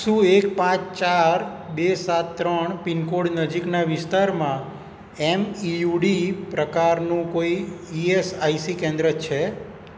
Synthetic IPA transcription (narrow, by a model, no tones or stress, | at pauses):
sũekpãt͡ʃt͡ʃaɾ | besat̪ːɾəɳpinkoɽnəd͡ʒiknaʋɪst̪aɾmã | emijuɖipɾəkaɾnũkoiiesaisikẽnd̪ɾət͡ʃʰe